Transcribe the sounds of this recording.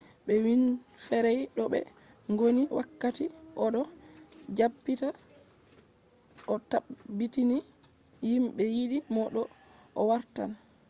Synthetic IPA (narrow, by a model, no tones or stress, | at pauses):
ɓɛwin | fɛɾɛjɗɔɓɛ̰ | ŋɡoniwʔakːatiʔɔɗɔ | d͡ʒabːita | ʔɔtaːitini | jimɓɛjiɗimɔɗɔ | ɔwaɾta̰n